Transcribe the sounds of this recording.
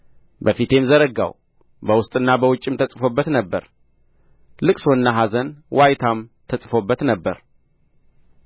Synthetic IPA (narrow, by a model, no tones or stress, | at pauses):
bəfit̪ʰe̞mzəɾəɡa̰w | bəwʊst̪ʼɨnːabəwʊt͡ʃʼːɪmt̪ʰəsʼfo̞bːət̪nəbːəɾ | lɨkʼsonːaɦazənwʔajt̪ʰamt̪ʰəsʼfo̞bːət̪nəbːəɾ